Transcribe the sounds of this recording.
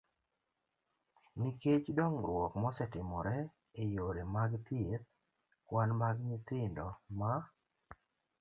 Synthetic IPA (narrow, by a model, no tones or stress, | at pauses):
niket͡ʃdɔŋɾwɔkmɔsɛtɪmɔɾɛ | ejoɾemaɡt̪iet̪̚ | kwanmaɡɲɪt̪ɪndɔma